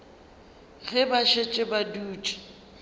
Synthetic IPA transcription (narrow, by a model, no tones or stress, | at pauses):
ɣɪbaʃet͡ʃʼɪbaduːt͡ʃʼɪ̥